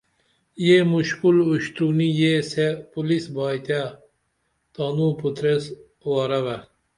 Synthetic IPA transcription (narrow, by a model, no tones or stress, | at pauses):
jemuʃkuluɕt̪unijesepulisbɑːjt̪a | t̪ɑnuput̪ɾes | waːɾɐʋa